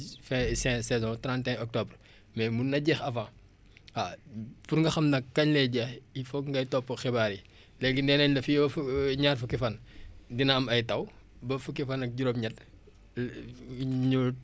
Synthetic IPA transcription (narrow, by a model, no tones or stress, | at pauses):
fɛ̃sɛ̃ːsɛzɔ̃tɾãːntɛ̃ɔk̚tɔbr | mɛmunːɐɟɛːxɐfãː | afurŋɡɐxɐmnɐkːɐɲlɛɟɛːxifɔŋɡɐjtɔpːxɛbaːɾi | lɛːɡindɛːnɐɲlɐfifuɲaːrfukifɐndinɐɐmɐjtɐw | bɐfukifɐnɐk̚ɟuɾop̚ɲɐt̚ | ɲu